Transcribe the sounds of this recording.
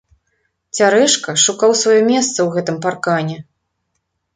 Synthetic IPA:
t͡sʲaɾɛʂkɐʂukawsvajɔmʲɛst̪sɐwɣɛt̪ɨmparkanʲɛ

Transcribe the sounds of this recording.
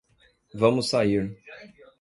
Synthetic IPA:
vɐ̃mʊsːaiɾ

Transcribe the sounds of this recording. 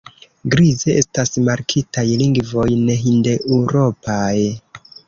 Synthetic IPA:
ɡɾize̞ʔe̞stasmaɾkʰitajliŋɡvo̞jneɦinde̞ʔuɾo̞paj

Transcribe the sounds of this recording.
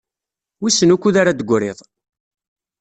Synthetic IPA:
wisənukːuðaɾad̪əɡʷɾeðˤ

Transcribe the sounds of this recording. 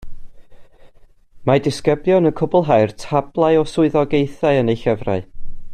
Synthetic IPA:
madɪskəblˠjɔnəkʰʊbʊlˠɦajrtʰablˠaɨɔsʊɨðɔɡejθaɨənejɬɛvra̰ɨ

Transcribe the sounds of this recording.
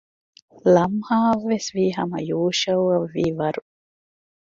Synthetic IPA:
lɐmhaːʋːesʋiːɦɐ̰mɐ̰joːʃɐuɐʋːiːʋɐɾu

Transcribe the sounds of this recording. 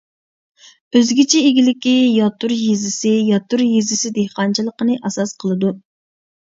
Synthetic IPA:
øzɡʲit͡ʃʰiːɡʲilɪkʲijɑt̪uɾjizɪsɪjɑt̪uɾjizɪsɪd̪ehqɑnt͡ʃʰilˠəqənɨʔɑsɑsqʰəlˠɨd̪u

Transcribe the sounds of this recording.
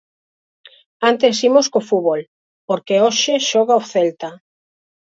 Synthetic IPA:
ant̪esimoskofuβol | poɾkeoʃeʃɔɣaoθelt̪a

